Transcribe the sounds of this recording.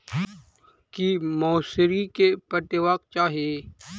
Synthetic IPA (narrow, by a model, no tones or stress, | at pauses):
kimɔːsɾikepət̪ɪwaːkt͡ʃaːɦie